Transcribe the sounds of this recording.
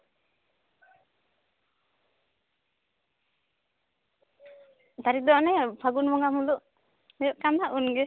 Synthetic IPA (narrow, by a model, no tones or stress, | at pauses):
t̪aɾik̚d̪ɔʔnɛpʰaɡunmɔŋamuluʔ | ɛjɔʔkanaʔunɡɛ